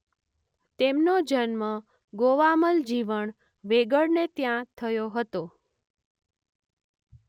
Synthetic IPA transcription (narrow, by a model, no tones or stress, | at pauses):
t̪emnod͡ʒənmã | ɡoʋaməld͡ʒiʋəɳ | ʋeɡəɽnet̪jãt̪ʰəjoɦət̪o